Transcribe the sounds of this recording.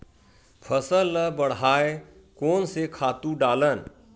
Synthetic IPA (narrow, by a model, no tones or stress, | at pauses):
pʰəsəlːəbəɽ̤ɦaːe | koːnsekʰaːt̪ũɖaːlən